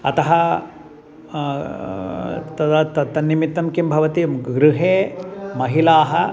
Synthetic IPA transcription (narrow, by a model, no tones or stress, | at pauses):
ɐ̰t̪ɐɦɐ | t̪ɐd̪ɐt̪ɐt̪ɐnːimit̪ːɐmkimbʱɐʋɐt̪iɡɾuɦeːmɐɦilaːɦɐ